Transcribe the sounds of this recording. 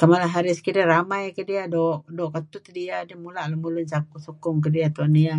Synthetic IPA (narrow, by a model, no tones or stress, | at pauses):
kamalaɦaɾɪskidaɾamajkədiadɔʔdɔʔkat̪ut̪diadamulaʔlahmulʊnt͡ʃakusukʊŋkədiat̪unia